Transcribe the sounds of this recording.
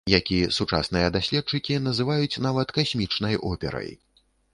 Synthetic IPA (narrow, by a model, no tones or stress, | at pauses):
jakʲisut͡ʂa̰snɨjɐd̪asʲlʲɛt̪̚t͡ʂɨkʲinɐzɨvajut͡sʲnavɐt̪kasʲmʲit͡ʂnɐjɔ̰pʲɛ̰ɾɐ̰j